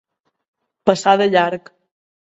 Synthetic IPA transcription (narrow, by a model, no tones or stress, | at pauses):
pəsaðəʎaɾk